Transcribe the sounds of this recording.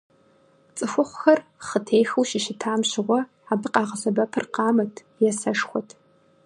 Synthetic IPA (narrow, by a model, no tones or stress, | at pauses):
t͡sʼɨxʷʊχʷxɐrχətʰeːjxɨwʃɪʃɪtʰaːmɕɪʁʷɔ | aːbɨqʼɑːʁɐsɐbɐpʰɨrqɑːmɐtʰ | jɛsɐʂxʷɔtʰ